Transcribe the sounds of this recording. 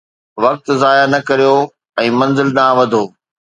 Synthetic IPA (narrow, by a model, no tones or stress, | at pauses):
ʋɐk̚t̪zaːjanɐkɐɾijo | ɛ̃ːmɐ̃nzɪlɗaːʋɐd̪ʱoː